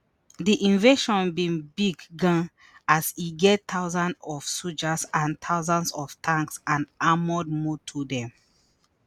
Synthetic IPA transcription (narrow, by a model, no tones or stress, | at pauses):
diʔĩnveʃɔ̃nbĩnbiɡːãn | asiɡɛttʰaʊzãndɔfsud͡ʒasãntʰaʊzãnsɔftʰãŋksãnamɔd̚motʰudɛ̃m